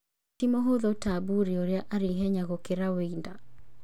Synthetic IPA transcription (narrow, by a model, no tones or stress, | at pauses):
timoɦoðɔtabuɾioɾeaʔaɾiɦɛɲaɣokeɾaweinda